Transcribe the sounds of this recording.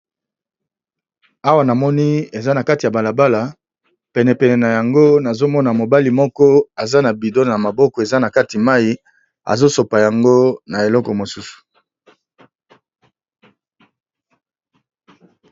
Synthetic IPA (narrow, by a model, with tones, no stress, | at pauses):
a˦wa˨na˨mɔ˦ni˦e˨za˦na˨ka˦ti˨a˨ba˨la˨ba˦la˨ | pɛ˨nɛ˨pɛ˨nɛ˨na˨ja˨ŋɡo˦na˨zo˦mɔ˦na˨mo˨ba˦li˨mɔ˦kɔ˦a˨za˦na˨bi˨do˦˨ja˨ma˨bɔ˦kɔ˨e˨za˦na˨ka˦ti˨ma˦i˦ | a̰˨zo˦so˨pa˨ja˨ŋɡo˦na˨e˨lɔ˦kɔ˨mo˨su˦su̥˨